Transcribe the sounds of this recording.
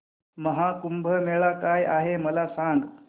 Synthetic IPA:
məɦakumbʱəmeɭakajʔaɦeməlasaŋɡ

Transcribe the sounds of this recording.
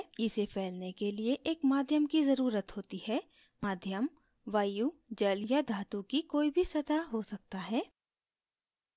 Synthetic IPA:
ɪsepʰɛːlnekelieʔeːkmaːd̪ʱjəmkizɐɾuːɾət̪ɦoːt̪iɦɛː | maːd̪ʱjəm | ʋaːjud͡ʒəljad̪ʱaːt̪ũkikoːibʱisɐt̪aɦosɐk̚t̪aɦɛː

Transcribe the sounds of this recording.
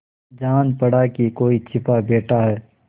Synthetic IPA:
d͡ʒaːnpɐɽakikoːit͡ʃʰɪpabeːʈaɦɛː

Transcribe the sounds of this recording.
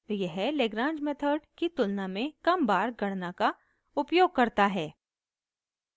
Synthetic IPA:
jɛɦleɡɾãːd͡ʒmet̪ʰəɾɖkit̪ʊlnamẽkɐmbaːɾɡɐɽnaka | ʊpjoːɡ̚kɐɾt̪aɦɛː

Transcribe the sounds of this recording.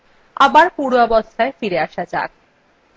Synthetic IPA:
a̰baɾpuɾɔbost̪ʰaefiɾeaʃad͡ʑa̰k̚

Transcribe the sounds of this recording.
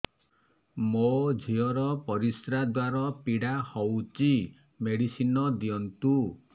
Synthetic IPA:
mod͡ʒʱiɔɾɔpɔɾisɾad̪waɾɔpiɽahɔwt͡ʃi | meɽisinɔd̪iɔnt̪u

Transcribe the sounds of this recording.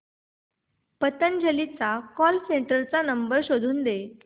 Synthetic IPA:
pət̪ənd͡ʑʱəlit͡sakɔlseɳʈəɾt͡sanəmbəɾɕod̪ʱuːnd̪e

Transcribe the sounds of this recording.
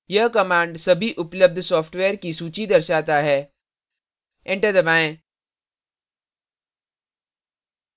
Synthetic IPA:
jɐɦkɐmãːɳɖsɐbʱiʔʊpləb̚d̪ʱsɔːfʰʈʋeːɾkisuːt͡ʃid̪ɐɾʃaːt̪aɦɛː | ẽɳʈəɾd̪ɐbaːẽ

